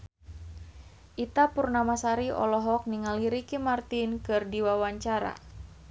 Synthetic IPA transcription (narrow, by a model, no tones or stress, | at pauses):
ʔit̪apurnamasaɾiɔ̰lɔɦɔk̚niŋaliɾikimart̪inkɨrdiwawaɲt͡ʃaɾa̰